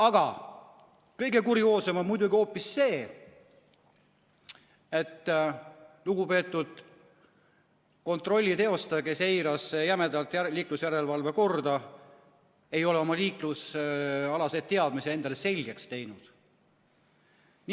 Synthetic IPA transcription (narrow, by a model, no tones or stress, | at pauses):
ɑɡ̥ɑ | kɤjɡe̞kuɾjo̞ːse̞mo̞nmujd̪uɡio̞ːpːisːe̞ː | e̞t̪ː | luɡupe̞ːt̪ːˑud̪̥ | ko̞nt̪ro̞lʲːit̪e̞o̞st̪ɑke̞se̞jɾɑsjæmed̪ɑlt̪ˑliːklusjæɾe̞lvɑlve̞ko̞rd̪ɑ | e̞jo̞leo̞mɑliːklusɑlɑse̞d̪t̪̚t̪eɑd̪̚misee̞nd̪ɑlese̞lʲɡ̥e̞kst̪e̞jnud̪̥ | n